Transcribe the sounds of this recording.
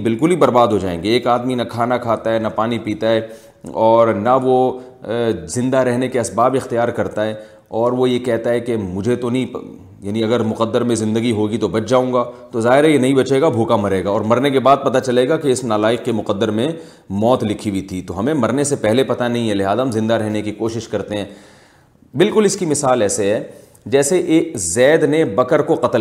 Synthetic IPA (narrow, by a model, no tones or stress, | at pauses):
bɪlkʊlibɐɾbaːd̪ɦod͡ʒaːḛ̃ːŋɡeːkaːd̪minɐkʰaːnakʰaːt̪aɦɛnɐpaːnipiːt̪aɦɛː | ɔːɾnɐʋo | zɪ̃nd̪aɾɛɦnekeɐsbaːbɪxt̪ijaːɾkɐɾt̪aɦɛ | ɔːɾʋojekɛɦt̪aɦɛkemʊd͡ʒʱet̪onɐĩ | jaːniɐɡəɾmʊqəd̪ːəɾmẽzɪ̃nd̪əɡiɦoːɡit̪obɐt͡ʃd͡ʒaːũːŋɡaːt̪ozaːɦɪɾɛjenɐɦĩbɐt͡ʃeːɡabʱuːkamɐɾeːɡaɔːɾmɐɾnekebaːd̪̚pɐt̪at͡ʃɐleːɡakeɪsnaːlaːɪqkemʊqəd̪ːəɾmẽ | mɔːt̪lɪkʰibʱit̪ʰit̪oɦɐmẽmɐɾnesepɛɦlepɐt̪anɐɦĩɦɛlɪɦaːzaɦɐmzɪ̃nd̪aɾɛɦnekikoːʃɪʃkɐɾt̪eɦɛ̃ː | bɪlkʊlɪskimɪsaːlɛːseɦɛ | d͡ʒɛːseʔeːkzɛːd̪nebɐkəɾkoqɐt̪əl